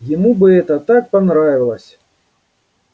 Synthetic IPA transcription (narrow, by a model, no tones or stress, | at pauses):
jɪmubɨɛt̪ɐt̪ak̚panɾavʲilˠɐsʲ